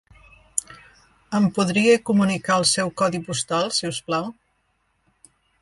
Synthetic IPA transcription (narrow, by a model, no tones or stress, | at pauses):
əmpuðɾiekumunikaəlˠsɛwkɔðipust̪alˠsɛwsplaw